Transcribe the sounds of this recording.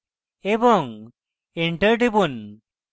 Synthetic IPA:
ebɔŋ | eɳʈəɾʈibun

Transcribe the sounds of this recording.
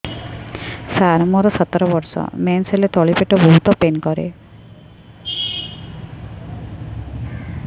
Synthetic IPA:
saɾɔmɔɾɔsɔt̪ɾɔbɔɾsɔ̰menselet̪ɔɭipeʈɔbɔɦut̪ɔpenkɔɾḛ

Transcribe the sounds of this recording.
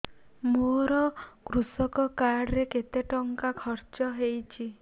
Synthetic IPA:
moɾɔkɾusɔkɔkaɾɽɾeket̪eʈɔŋkakʰɔɾt͡ʃɔɦejt͡ʃʰi

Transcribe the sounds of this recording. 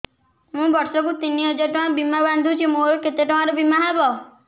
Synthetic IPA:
mũbɔɾsɔkut̪iniɔd͡ʒeʈɔãbimabãnd̪ʱũt͡ʃʰimoɾɔket̪eʈɔ̃ãɾɔbimaɦabɔ

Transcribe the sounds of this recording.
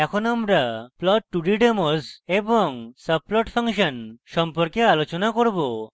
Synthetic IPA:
ɛkʰonamɾaplɔʈːuɖiɖemoseboŋsəb̚plɔʈpʰaŋʃənʃɔmpoɾkealot͡ɕonakoɾbo

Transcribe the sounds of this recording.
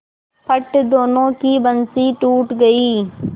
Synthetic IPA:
pʰɐʈd̪oːnõkibɐnsiʈuːʈɡɐiː

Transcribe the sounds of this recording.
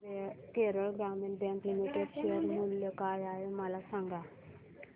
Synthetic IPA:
keɾəlɡamẽɳʈ̚bɛ̃ŋklimiʈeɖɕoɾmuljəkajaɦemalasãŋɡa

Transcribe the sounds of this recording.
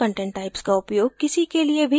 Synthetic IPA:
ə̃ɳʈẽːɳʈːaːɪpskaʊpjoːɡ̚kɪsikeliebʱi

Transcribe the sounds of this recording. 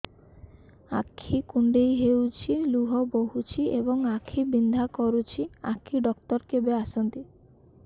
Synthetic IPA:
a̰kʰːikuɳɖejɦewt͡ʃʰiluɦɔboɦut͡ʃʰiebɔŋakʰːibind̪ʱakɔɾut͡ʃʰia̰kʰiɖɔkt̪ɔɾkebeasɔnt̪i

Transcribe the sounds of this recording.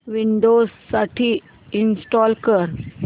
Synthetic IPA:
ʋɪ̃ɳɖoːsːɐʈʰi | ɪnsʈɔːlkəɾ

